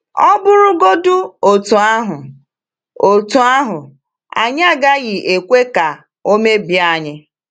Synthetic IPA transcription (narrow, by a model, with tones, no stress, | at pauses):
ɔ˦bʊ˦ɾʊ˦ɡo˦dʊ˦o˨tu˨a˦ɦʊ˨ | o˨tu˨a˦ɦʊ˨ | a̰˨ɲ˦a˦˨ɡa˦ɣɪ˨ʔe˨kʷe˦ka˨ | o˦me˦bja˦˨ɲɪ˦